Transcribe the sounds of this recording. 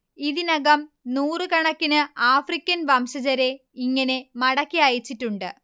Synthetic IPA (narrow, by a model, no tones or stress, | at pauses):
iðinɐɣɐm | nuːrɨkɐɳɐkːinɨaːfrikʲːɐnʋɐmɕɐd͡ʑɐɾe̞ | iŋːɐne̞mɐɽɐkːiɐjit͡ɕːitːuɳɖɨ̰